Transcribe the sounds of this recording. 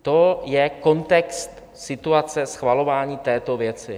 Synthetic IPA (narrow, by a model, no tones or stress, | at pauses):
t̪o̞jɛko̞nt̪ɛkst̪ | sɪt̪uat͡sɛsxvalo̞vaːɲiːt̪ɛːt̪o̞vjɛt͡sɪ